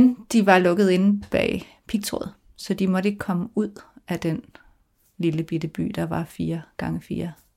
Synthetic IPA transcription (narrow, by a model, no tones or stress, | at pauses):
nd̥iʋɑ̈lɔ̽ɡ̥ð̩ˠe̝n̩b̥ɛ̰ː | pʰiɡ̥̚t͡sʰʁɔ̰ð̩ˠ | sɒ̽d̥imɒ̽ɾ̥əeɡ̥ə̥kʰɒ̽məuð̰ˠʔæd̥en | liləb̥id̥əb̥y̰ːd̥ɑ̈ʋɑ̈fiːɐɡ̥ɑ̈ŋəfiːɐ